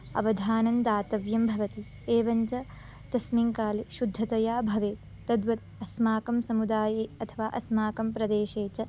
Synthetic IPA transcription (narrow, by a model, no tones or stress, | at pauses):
ɐ̰ʋɐd̪ʱaːnɐnd̪aːt̪ɐʋjɐmbʱɐʋɐt̪i | eːʋɐɲt͡ʃɐ | t̪ɐsmiŋkaːliʃud̪ʱːɐt̪ɐjaːbʱɐʋeːt̪ːɐd̪ʋɐt̪̚ | ɐsmaːkɐmsɐmud̪aːjeːɐt̪ʰɐʋaːʔɐsmaːkɐmpɾɐd̪eːʃeːt͡ʃɐ